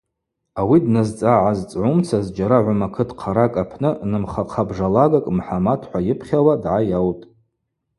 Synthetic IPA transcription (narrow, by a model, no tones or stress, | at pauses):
awidnazt͡sʼaʕazt͡sʼʕʊmt͡sʰazd͡ʒaɾaʕʷʊmakʰɨtʰqʰaɾakʼapʰnɨnɨmχaqʰabʐalaɡakʼmħamatʰħʷajɪpʰχʲawadʕajawtʼ